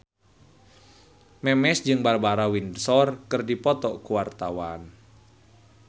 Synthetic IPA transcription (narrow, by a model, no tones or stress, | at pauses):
mɛmɛsd͡ʒɨŋbarbaɾawindsɔrkɨrdipɔt̪ɔkuwart̪awan